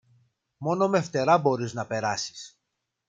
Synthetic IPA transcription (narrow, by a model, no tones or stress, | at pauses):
mo̞no̞me̞ft̪e̞ɾɐbo̞ɾiznɐpe̞ɾɐsi̥s